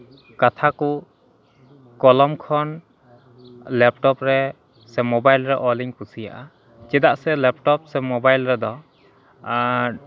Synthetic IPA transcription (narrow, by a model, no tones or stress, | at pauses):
kat̪ʰaku | kɔlɔmkʰɔn | lɛp̚ʈɔpɾɛ | sɛmɔbajlɾɛʔɔliŋpusija̰ʔa | t͡ʃɛd̪aʔsɛlɛp̚ʈɔp̚sɛmɔbajlɾɛd̪ɔ